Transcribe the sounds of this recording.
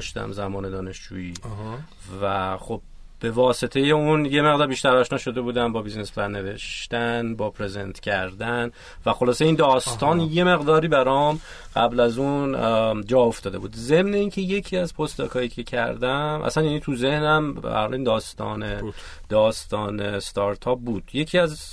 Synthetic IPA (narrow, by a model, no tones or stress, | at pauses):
ʃt̪æ̰mzæmɒːne̞d̪ɒːne̞ʃd͡ʒṵːiː | væxo̞b̚ | b̥e̞vɒːse̞t̪ʰe̞je̞unje̞me̞ʁd̪ɒːɾbiːʃt̪æɾɒːʃnɒːʃo̞d̪e̞buːd̪æmbɒːbiznesbæɾne̞ve̞ʃt̪ænbɒːpʰɾe̞ze̞nt̪ʰcʰæɾd̪æn | væxo̞lɒːseind̪ɒːst̪ɒːnje̞me̞ɣd̪ɒːɾiːbæɾɒm | ɢæblæzund͡ʒɒːoft̪ɒːd̪e̞buːd̪ze̞mne̞iːncʰe̞je̞cʰiːæzpʰost̪ɒːkʰɒːiːcʰe̞cʰæ̰ɾd̪æmʔæ̰sænjænit̪ʰuze̞hnæmbæ̰hɒ̰lind̪ɒːst̪ɒ̰ːne | d̪̥ɒːst̪ɒːnest̪ɒɾt̪ʰɒːp̚buːd̪̥je̞cʰiːæz